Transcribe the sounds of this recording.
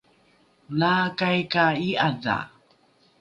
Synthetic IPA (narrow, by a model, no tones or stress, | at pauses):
lakajkaiaða̰